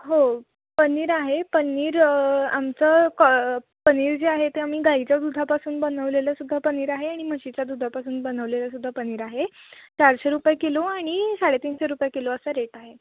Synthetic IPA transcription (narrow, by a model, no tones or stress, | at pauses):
ɦo | pəniːɾaɦepəniːɾa̰mt͡səːk | pəniːɾd͡ʑeaɦet̪eam̤iːɡait͡ɕjad̪ud̪ʱapasuːnbənəʋleljasud̪ʱːapəniːɾaɦeaɽ̃im̤əɕit͡ɕjad̪ud̪ʱapasuːnbənəʋleljasud̪ʱːapəniːɾaɦet͡ɕaɾɕeɾupjekeloaɽ̃isaɽet̪iːnɕeɾupjkeloəsəɾeʈaɦe